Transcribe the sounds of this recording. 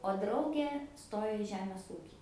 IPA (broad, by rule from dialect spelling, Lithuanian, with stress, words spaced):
oː ˈdrɐʊɡʲeː ˈstoːjoː ɪ ˈʒʲæːmʲeːs ˈuːkʲiː